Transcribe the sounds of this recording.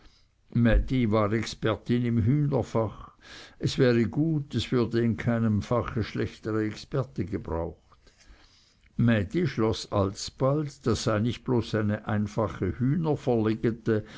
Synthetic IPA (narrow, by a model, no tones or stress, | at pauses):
mɛdivaːʁɛkspɛʁtɪnɪmɦyːnəfaχɛsv̥ɛːʁəɡuːtɛsv̥ʏɐdəɪnkʰaɪnəmfaχəʃlɛçtəʁəɛkspɛʁtəɡəbʁa̰ʊxt | mɛdiʃlɔsa̰lsb̥aldd̥asːaɪnɪçt̚b̥loːsaɪnəʔaɪnfaχəhyːnəfəʁleːɡətə